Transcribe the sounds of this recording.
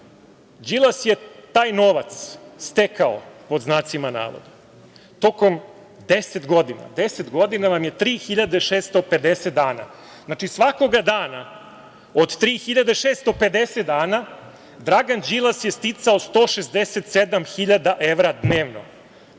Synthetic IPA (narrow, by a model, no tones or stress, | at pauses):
d͡ʒilˠasjet̪aːjno̞ʋat̪sːt̪ekao̰po̞d̪znaːt̪simana̰ːʋo̰d̪e | t̪o̞ko̞m | d̪eset̪ɡo̞d̪ina̰d̪eset̪ɡo̞d̪inaʋamje̞t̪ɾiːxiʎad̪eʃeːst̪o̞pe̞d̪eset̪̚d̪aːna̰ | znat͡ʃisʋako̞ɡad̪aːna | od̪t̪ɾiːxiʎad̪eʃeːst̪o̞pe̞d̪eset̪̚d̪aːna | d̪ɾaɡand͡ʒilˠasjest̪it̪saost̪o̞ːʃezd̪eset̪sed̪amxiʎad̪aʔeʋɾad̪neːʋno̞̰